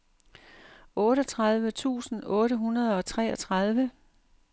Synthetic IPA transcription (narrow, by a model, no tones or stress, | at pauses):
ɔ̽ːɾɒt͡sʰʁɑð̞ˠʋət͡sʰṵːsn̩ɔ̽ːɾəɦunɐðˠɒ̽t͡sʰʁɛ̰ːɒt͡sʰʁɑð̞ˠʋə